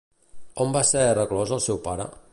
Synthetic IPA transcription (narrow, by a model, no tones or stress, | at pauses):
ombasɛrəklɔzəlˠsɛwpaɾə̰